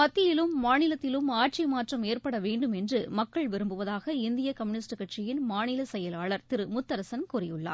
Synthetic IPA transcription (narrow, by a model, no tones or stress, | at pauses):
pɐt̪ːɪjɪlɯmːaːnɪlɐt̪ːɪlɯmaːʈ̚t͡ʃimaːʈrɐmeːrpɐɽɐʋeːɳɖɯmɛndrɯmɐkːɐɭʋɪɾɯmbɯʋɐðaːɣɐɪnd̪ɪjɐkɐmɯnɪsʈɯkɐʈt͡ʃɪjɪnmaːnɪlɐsɛjɐlaːɭɐɾt̪ɪɾɯmʊt̪ːɐɾɐsɐnkʊrɪjɯɭːa̰ː